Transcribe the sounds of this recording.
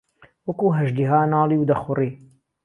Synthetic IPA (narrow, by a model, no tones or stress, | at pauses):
wɐkuːɦɐʒd̪iɦaːnaːliːwd̪ɐxʊriː